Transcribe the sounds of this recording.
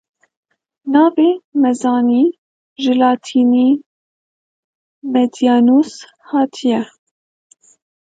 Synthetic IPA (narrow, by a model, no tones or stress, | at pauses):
nɑːveːmɛzɑːniː | ʒɨlɑːt̪ʰiːniː | mɛd̪ijɑːnuːs | hɑːt̪ʰijɛ